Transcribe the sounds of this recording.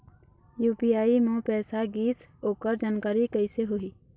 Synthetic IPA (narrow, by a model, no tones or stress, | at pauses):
juːpijaːimõpɛːsaɡiːsoːkəɾd͡ʒaːnkaːɾikəɪseɦoiː